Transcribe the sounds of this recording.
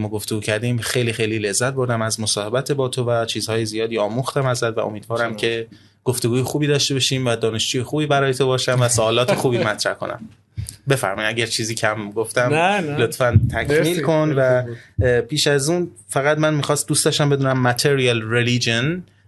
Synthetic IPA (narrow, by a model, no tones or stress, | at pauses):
mɒːɡo̞ft̪oɡuːcʰæɾd̪iːmxe̞jliːxe̞jliːle̞zːæt̪̚bo̞ɾd̪æmæzmosɒːhe̞bæt̪ʰebɒːt̪ʰovæt͡ʃʰiːz̥hɒːjezijɒːd̪iːɒːmuːxt̪æmæzæd̪væ̰ʔomiːd̪vɒːɾæmcʰe̞ | ɡ̥oft̪o̞ɡuːjexuːbiːd̪ɒːʃt̪ebɒʃiːmvæd̪ɒːne̞ʃd͡ʒuːjexuːbiːbæɾɒːjet̪ʰobɒːʃæmvæsoɒːlɒːt̪ʰexuːbiːmæt̪ɾæhko̞̰næ̰m | be̞fæ̰ɾmɒːjimæɟæɾt͡ʃʰiːziːcʰæmɡoft̪æmlo̞t̪fænt̪ʰækʰmiːlkʰonvæ | pʰiːʃæzuːnfæɣæd̪mænmixɒːst̪̚d̪uːstd̪ɒʃt̪æmbe̞d̪uːnæmːæt̪ʰeɾijɑlɾelid͡ʒon